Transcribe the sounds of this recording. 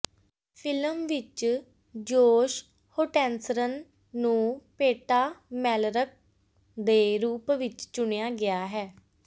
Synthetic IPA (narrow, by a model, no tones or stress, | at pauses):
pʰɪləmʋɪt͡ʃ | d͡ʒoːʃ | hoːʈɛ̃ːnsəɾənː | ũːpeːʈaːmɛːlɾək̚ | d̪eːɾuːpʋɪt͡ʃt͡ʃʊɳejaːɡɪaːɦɛː